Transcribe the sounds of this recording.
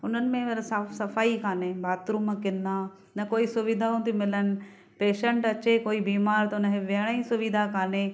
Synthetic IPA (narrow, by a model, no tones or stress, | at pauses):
ʊn̤ənɪ̆mẽʋɐɾsaːfsɐfaːikʰaːnebaːt̪ɾuməkɪ̃nd̪a | nɐkoːisʊʋɪd̪ʱaũt̪imɪlənɪ̆ | peːʃə̃ɳʈɐt͡ɕekoːibiːmaːɾt̪ɐʊnəɦeʋeɦəɽ̃aĩsʊʋid̪ʱakʰaːne